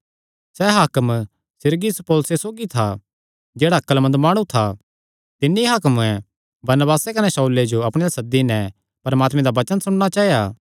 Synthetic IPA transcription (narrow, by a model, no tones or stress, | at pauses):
sɛɦaːkəm | sɪɾɡɪspoːlsesoːɡit̪ʰa | d͡ʒeːɽaɐkːəlmɐ̃nd̪maːɽ̃ũt̪ʰa | t̪ɪnːiɦaːkmũɛ̃ | bɐɾnəbaːsekɐnɛsɐuled͡ʒoɐpɽ̃ẽasɐd̪ːinɛ̃ | pɐɾmaːt̪mɛ̃d̪abɐt͡ʃənsʊɽɽat͡ʃaːijaː